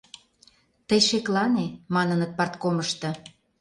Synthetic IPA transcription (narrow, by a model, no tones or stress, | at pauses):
t̪əjʃeklɑnemɑnənət̪̚pɑrt̪koməʃt̪ɤ̆